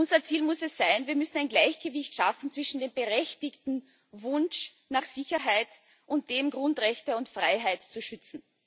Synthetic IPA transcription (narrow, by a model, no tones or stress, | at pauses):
ʔʊnzɐt͡siːlmʊsɛsz̥aɪnviːɐmʏsn̩aɪnɡlaɪçɡ̥əvɪçtʃafn̩t͡sv̥ɪʃn̩deːmbəʁɛçtɪçtn̩ | vʊnʃ | naχz̥ɪçɐɦaɪt | ʔʊnt̚d̥eːmɡʁʊntʁɛçtəʊntfʁ̥aɪɦaɪtt͡suʃʏt͡sn̩